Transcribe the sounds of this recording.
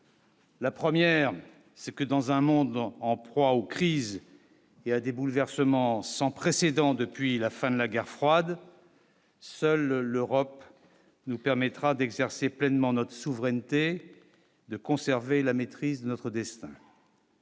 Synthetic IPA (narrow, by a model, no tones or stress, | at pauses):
lapχəmjɛʁ | sɛkəd̪ɑ̃zɛ̃mɔ̃d̪ɑ̃pχwaokχiz | ead̪ebulvɛʁsəmɑ̃sɑ̃pχesed̪ɑ̃d̪əpɥilafɛ̃d̪əlaɡʲɛʁfχwad̪ | sœlːøʁɔp | nupɛʁmɛt̪χad̪ɛɡzɛʁseplɛnmɑ̃nɔt̪χəsuvʁɛnt̪e | d̪əkɔ̃sɛʁvelamet̪χizd̪ənɔt̪χəd̪ɛst̪ɛ̰̃